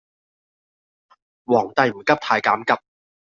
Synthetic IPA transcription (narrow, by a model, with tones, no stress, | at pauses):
wɔː˨˩ŋt̪ɐ˨˧jm̩˨˩kɐ˥p̚t̪ʰaː˧jkaː˨˥mkɐ˨p̚